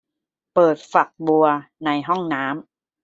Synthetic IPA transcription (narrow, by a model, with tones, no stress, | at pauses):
pɤː˨˩t̪̚fa˨˩k̚bu˧ɐna˧jɦɔ˥˩ŋnaː˦˥m